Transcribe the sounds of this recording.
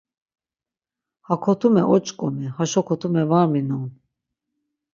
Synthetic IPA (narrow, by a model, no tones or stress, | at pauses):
hakʰɔt̪ʰumɛʔɔt͡ʃʼkʼɔmihaʃɔkʰɔt̪ʰumɛvaɾminɔm